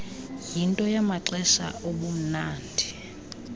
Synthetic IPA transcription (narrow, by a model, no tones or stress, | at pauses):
jintʼɔjamaǁɛʃa̰oɓum̩naːndʱi